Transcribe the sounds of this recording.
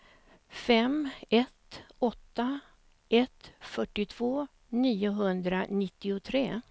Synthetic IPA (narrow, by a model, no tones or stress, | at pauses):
fɛmɛt̪ɔt̪ːa | ʔɛt̪fœʈːɪt̪ʰv̥oː | niːʊɦɵnd̪ɾanɪt̪ːɪʊt̪ʰɾeː